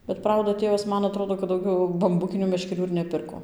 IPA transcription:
bʲɛt ˈprɐʊdɐ ˈtʲeːʋɐs ˈmɐn ɐˈtroːdoː kɐt dɐʊˈɡʲɛʊ bɐmˈbʊkʲɪnʲuː mʲɛʃʲkʲɛˈrʲuː ɪr nʲɛˈpʲɪrkoː

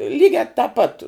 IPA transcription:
ˈlʲiːɡʲæː tɑː pɐt

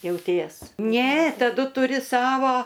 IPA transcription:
jɛʊˈtʲiɛs ˈnʲɛ tɐˈdʊ tʊˈrʲɪ ˈsɑːʋoː

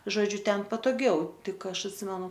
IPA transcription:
ʒoːˈd͡ʒʲʊ ˈtʲɛn pɐtoːˈɡʲɛʊ ˈtʲɪk ˈɐʃ ɐtʲˈsʲɪmʲɛnʊ

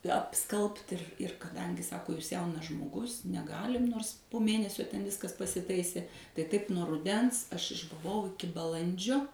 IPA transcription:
ɐpˈskɐlˠpt ɪr ɪr kɐˈdɐŋʲɡʲɪ ˈsɑːkoː juːs ˈjɛʊnɐs ʒmoːˈɡʊs nʲɛˈɡɑːlʲɪm ˈnoːrs poː ˈmʲeːnʲɛsʲoː tʲɛn ˈʋʲɪskɐs pɐsʲɪˈtɐɪsʲeː tɐɪ ˈtɐɪp nuɔ rʊˈdʲɛns ˈɐʃ ɪʒbʊˈʋɐʊ ɪˈkʲɪ bɐˈlˠɐnʲd͡ʒʲoː

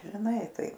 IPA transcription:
ʒʲɪˈnɐɪ ˈtɐɪ

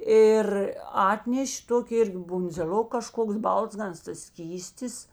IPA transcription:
ˈɪr ˈɑːtʲnʲɛʃʲ ˈtoːkʲɪ ˈɪrʲɡʲɪ bʊnʲd͡zʲeːˈlʲoːk kɐˈʃkoːks ˈbɐlˠzɡɐnɐs tɐs ˈsʲkʲiːsʲtʲɪs

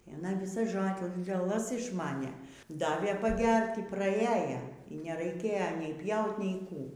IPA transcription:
ɪ ɐˈnɐ ʋʲɪˈsɐs ʒoːlʲɛˈlˠɐs ɪʃˈmɑːnʲeː ˈdɑːʋʲeː pɐˈɡʲɛrʲtʲ iː prɐˈiɛjɛ iː nʲɛrɐɪˈkʲeːjɛ nʲɛɪ ˈpʲjɛʊtʲ nʲɛɪ ˈkuː

